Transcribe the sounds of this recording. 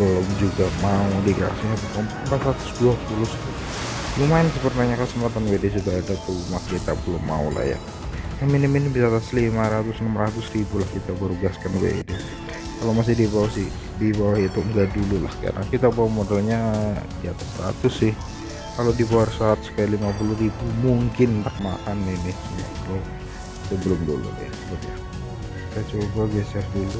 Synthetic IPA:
dolɔmd͡ʒuɡamaudika̰siɲabukampat̪sɾat̪ʊ̥sduapulʊst̪ʊ | jumaɪnsəpərnaɲakəsəmpat̪anwedesit̪aadat̪umasɾit̪apəlʊmːa̰ṵla̰hja̰ | naminiminɪbisat̪aslimaɾat̪ʊsnəmrat̪ʊsribulahkit̪abaɾuɡaskanwḛde | kalomas̬ɪdibawasɪh | dibawaɦit̪ʊŋɡaʔdulula̰hka̰ɾa̰ŋkit̪abawamodalɲadiat̪asɾa̰t̪ʊsɪh | kalodibawarsaːt̪̚sə̥kajalimapulʊhribumuŋkɪnt̪akmakanːɪhnɪhsəa̰kalo | səbəlʊmdulṵnɛ̰səlʊtja | kit̪at͡ʃobabiasasdulu

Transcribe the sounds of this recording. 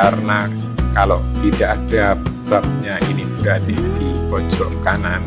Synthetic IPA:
aɾəna | kaloʔt̪idaʔadapsap̚ɲaʔiniudadidipɔd͡ʒɔʔkanan

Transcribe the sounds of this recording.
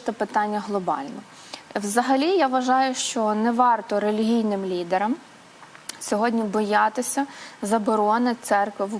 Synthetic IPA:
t̪ɔpɪt̪ɑnʲːɐɦlˠɔbɑ̰lʲnɔ | wzɐɦɐlʲijaʋʋɐʒɑjʊʃt͡ʃɔnɛʋɑrt̪ɔɾelʲiɦʲijnɪmlʲid̪eɾɐm | sʲɔɦɔdʲnʲibɔjɑt̪ɪsʲɐzɐbɔɾɔnɪt̪sɛrkʋɪʋu

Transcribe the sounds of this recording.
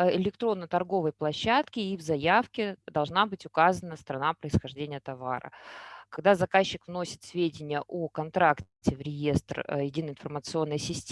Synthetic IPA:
ɪlʲɪkt̪ɾo̞nːət̪ɐrɡo̞vəjplˠɐɕːat̪kʲɪivzɐjafkʲɪd̪ɐlˠʐnabɨtʲʊkazənəst̪ɾɐnapɾəɪsxɐʐdʲenʲɪjət̪ɐva̰ɾə̰kɐɡ̚d̪azɐkaɕːɪkvno̞sʲɪ̥t̪sʲvʲedʲɪnʲɪjəʔokɐnt̪ɾaktʲɪvɾʲɪje̞st̪rjɪdʲinəɪnfərmət̪sɨo̞nːəjəsʲɪsʲtʲ

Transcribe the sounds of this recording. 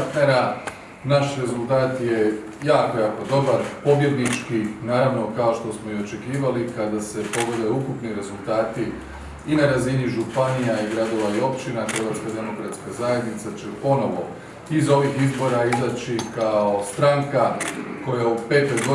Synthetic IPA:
t̪ne̞ɾa | naʃɾe̞zulˠt̪aːt̪je̞ | jaːko̞jaːko̞d̪o̞baɾpo̞bje̞d̪nit͡ʃkinaːɾaʋno̞kao̞ʃt̪o̞smo̞io̞t͡ʃe̞kiːʋalikad̪ase̞po̞ɡod̪ajukupniɾe̞zulˠt̪aːt̪i | inaɾaziniʒupanijaiɡɾad̪o̞ʋaio̞pt͡ʃinaxɾeʋap̪skad̪e̞mo̞kɾat̪skazaje̞d̪nit̪sat͡ʃepo̞no̞ʋo̞ | izo̞ʋixizbo̞ɾaizat͡ɕikao̞st̪ɾaŋkako̞jaupe̞ːt̪o̞jɡo

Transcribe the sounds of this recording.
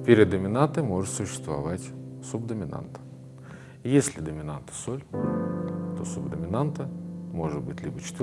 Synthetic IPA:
pʲeɾʲɪd̪d̪ːəmʲɪnant̪ɨmo̞ʐɨt̪sʊɕːɪ̥st̪vɐ̰vatʲsubd̪əmʲɪna̰nt̪ə̥ | jesʲlʲɪd̪əmʲɪnant̪ə̥solʲ | t̪o̞subd̪əmʲɪnant̪əmo̞ʐɨd̪̚bɨtʲlʲibət͡ɕɪ̥t̪ʲ

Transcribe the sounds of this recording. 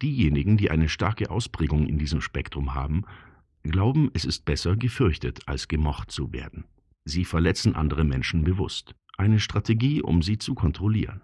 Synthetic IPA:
d̥iːjeːnɪɡŋ̩diːʔa̰ɪnəʃtaɐkəʔa̰ʊspʁ̥ɛːɡʊŋɪ̰ndiːzəmʃpɛktʁ̥ʊmɦa̰ːbm̩ | ɡ̥laʊbm̩ɛsɪst̚b̥ɛsɐɡəfʏɐçtətʰa̰lsɡ̥əmɔχtt͡suvḛːɐdn̩ | ziːfɛɐlɛt͡sn̩ʔa̰ndəʁ̞əmɛnʃn̩bəvʊ̰st | ʔaɪnəʃtʁ̥atʰeɡiːʔʊ̰mziːt͡sukʰɔntʁ̥olḭːʁən

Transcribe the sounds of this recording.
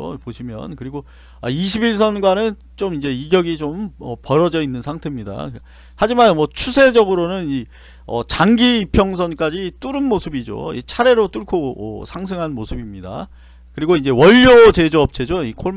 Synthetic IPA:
poɕʰimjʌnkɯɾiɡo | aiɕʰibiɭs̬ʰʌnɡwanɯn | t͡ɕomind͡ʑe̞iɡjʌɡit͡ɕomʌpʌɾʌd͡ʑʌinːɯnsʰaŋtʰe̞mɲida̰ | had͡ʑimanmwʌt͡ɕʰusʰe̞d͡ʑʌɡɯɾonɯni | ʌ̰t͡ɕaŋɡiːpʰjʌŋs̬ʰʌnk͈ad͡ʑit͈uɾɯnmosʰɯbid͡ʑo̰ḭt͡ɕʰaɾe̞ɾot͈ɯɭkʰoʌ̰sʰaŋs̬ʰɯŋɦanmosʰɯbimɲida̰ | kɯɾiɡoind͡ʑe̞wʌʎːot͡ɕe̞d͡ʑoʌp̚t͡ɕʰe̞d͡ʑoikʰoɭ

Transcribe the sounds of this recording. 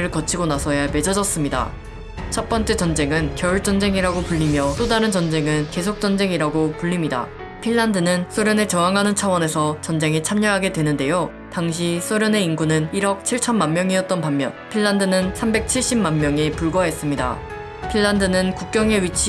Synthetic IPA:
ɾɯɭkʌt͡ɕʰiɡonasʰʌjame̞d͡ʑʌd͡ʑʌs͈ɯmɲida̰ | t͡ɕʰʌp͈ʌnt͡ɕ͈e̞t͡ɕʌnd͡ʑe̞ŋɯnkjʌuɭt͡ɕ͈ʌnd͡ʑe̞ŋiɾaɡopuʎːimjʌt͈odaɾɯnt͡ɕʌnd͡ʑe̞ŋɯnke̞sʰok̚t͡ɕ͈ʌnd͡ʑe̞ŋiɾaɡopuʎːimɲida̰ | pʰiɭːandɯnɯns͈ʰoɾjʌnet͡ɕʌaŋɦanɯnt͡ɕʰʌwʌne̞sʰʌt͡ɕʌnd͡ʑe̞ŋit͡ɕʰamɲʌɦaɡe̞dwe̞nɯnde̞jo | taŋɕ̬ʰisʰoɾjʌne̞inɡunɯniɾʌk̚t͡ɕʰiɭt͡ɕʰʌnmanmjʌŋiʌt̚t͈ʌnpammjʌnpʰiɭːandɯnɯnsʰambe̞k̚t͡ɕʰiɭɕ͈ibmanmjʌŋepuɭɡwʌɦe̞s͈ɯmɲida̰ | pʰiɭːandɯnɯnkuk̚k͈jʌŋe̞ɥit͡ɕʰ

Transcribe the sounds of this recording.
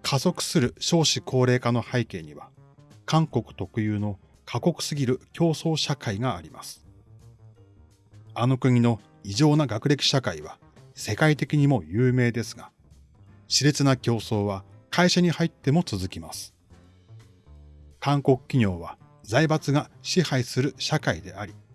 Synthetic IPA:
kʰazo̞kɯ̟̥sɨɾɯ̟ɕo̞ːɕikʰo̞ːɾe̞ːkano̞haike̞̰ːɲ̟iβa | kãŋko̞kɯ̟̥t̪o̞kɯ̟jɯːno̞ | kʰako̞kɯ̟̥sɨɡʲiɾɯ̟kʲʰo̞ːso̞ːɕakaiɡaːɾʲima̰sɨ̥ | ano̞kɯ̟ɲ̟ino̞ | iʑo̞ːnaɡakɯ̟ɾʲe̞kʲi̥ɕakaiβa | se̞kait̪e̞kʲiɲ̟imo̞jɯːme̞ːd̪e̞sɨɡa | ɕiɾe̞t͡sɨnakʲo̞ːso̞ːβakʰaiɕaɲ̟ihait̪ːe̞mo̞t͡sɨzɨkʲimasɨ̥ | kãŋko̞kɯ̟̥kʲiɲ̟o̞ːβa | zaibat͡sɨɡaɕihaisɨɾɯ̟ɕakaid̪e̞̰aɾʲi

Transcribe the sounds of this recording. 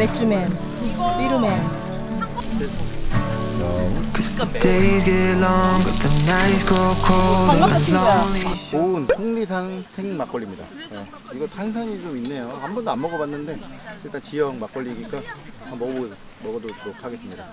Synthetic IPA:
et͡ɕ͈umen | piɾɯmen | tʰeɡelɔŋwɪððənaɪsɡokʰo | onsʰoŋnis̬ʰaŋsʰe̞ŋmak͈ʌʎːimɲida̰je | iɡʌtansʰaɲit͡ɕominːe̞johambʌndanmʌɡʌbanːɯnde̞iɭt͈ant͡ɕijʌŋmak͈̚ʌʎːiɡik͈a | amʌɡu | mʌɡʌdotɯɾokʰaɡe̞s͈ɯmɲida

